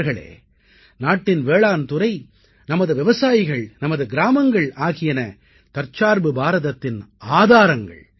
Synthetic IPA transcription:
ɾɣɐɭḛː | naːʈːɪnʋeːɭaːnt̪ʊɾɐɪ | nɐmɐðɯʋɪʋɐsaːjɪɣɐɭnɐmɐðɯɡɪɾaːmɐŋɡɐɭaːɣɪjɐnɐ | t̪ɐɾt͡ʃaːɾbɯbaːɾɐðɐt̪ːɪnaːðaːɾɐŋɡɐ̰ɭ

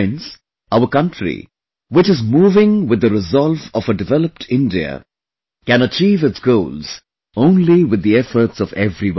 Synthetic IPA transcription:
ɪ̃nz̥ | aʊəkʌ̃ntɹḭ | wɪt͡ʃɨzmuːvɪ̃ŋwɨd̪əɾɪzɔlˠvɔvəɖɨvɛləp̚ʈʰɪ̃ndiə̰ | kæ̃nət͡ʃiːvɨtsɡ̥oʊlz̥ | õʊ̃nliwɨd̪ːiɛfəɾtsɔvɛvɾiw

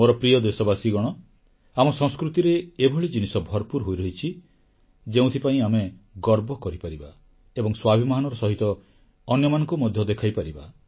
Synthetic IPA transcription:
moɾɔpɾijɔd̪esɔbasiɡɔɽ̃ɔ | amɔsɔ̃ŋskɾut̪iɾeːbʱɔɭed͡ʒinisɔbʱɔɾpuɾɦojɾɔɦit͡ʃʰi | d͡ʒeũt̪ʰipaĩameɡɔɾbɔkɔɾipaɾiba | ebɔŋswabʱimaɦanɔɾɔsɔɦit̪ɔː | njɔmanɔ̃ŋkumɔd̪ʱjɔd̪ekʰajpaɾiba

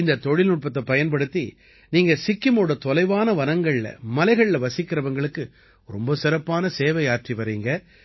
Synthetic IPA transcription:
ɪnd̪ɐt̪ɔɻɪlnʊʈ̚pɐt̪ːɐpɐjɐnpɐɽɯt̪ːi | niːŋɡɐsɪkːɪmoːɽɐt̪ɔlɐɪʋaːnɐʋɐnɐŋɡɐɭɪlɐ̰mɐlɐɪɣɐɭɪlɐʋɐsɪkːɪɾɐʋɐŋɡɐɭɯkːɯ | ɾɔ̰mbɐsɪɾɐpːaːnɐseːʋɐjaːʈriʋɐɾiːŋɡɐ

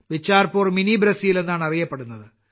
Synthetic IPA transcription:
bit͡ɕːaːrpoːrminibɾɐsijile̞nːaːɳɐrijɐpːeɽunːɐðɨ

